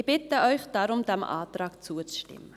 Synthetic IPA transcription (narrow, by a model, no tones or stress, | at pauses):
b̥ɪtəʔɔjχd̥ɑːɾʊmdæmʔɑ̰ːtrɑːkt͡suət͡sʃtɪ̰mə